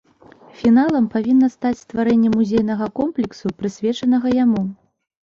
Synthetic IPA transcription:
fʲin̪alˠɐmpavʲinːɐst̪at͡sʲst̪vaɾɛnʲːɛmːuzʲɛjnɐɣɐkɔmplʲɛksupɾɨsʲvʲɛt͡ʂɐnɐɣɐjamu

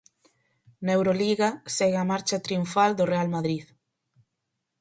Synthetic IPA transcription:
newɾoliɣasɛɣeamaɾt͡ʃat̪ɾiuɱfald̪orealmaðɾið

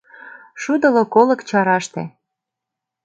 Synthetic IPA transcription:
ʃud̪ɤ̆lokolɤ̆kt͡ɕɑɾɑʃt̪ḛ

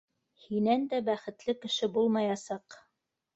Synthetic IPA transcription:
hinænd̪æbæχɘ̆t̪lɘkɘ̆ʃɘbulˠmɑjɑsɑq

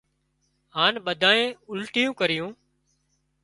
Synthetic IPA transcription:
ɦaːnɓəd̪ʱaːẽːʊlʈɪjũːkəɾɪjũː

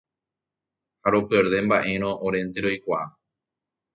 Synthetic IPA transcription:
haɾo̞pɨeɾðe̞mbaʔe̞ɾ̃õʔoɾe̞nt̪eɾo̞jkʷaʔa

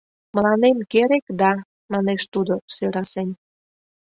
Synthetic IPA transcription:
məlɑnemkeɾekd̪ɑ | mɑneʃt̪ud̪osøɾɑsen

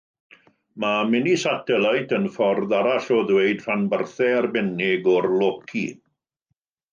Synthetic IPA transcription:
mamɪnisatʰɛlajtʰənfɔrðaɾaɬɔðwejd̥ranbərθɛarbɛnɪɡɔrlˠokʰḭ

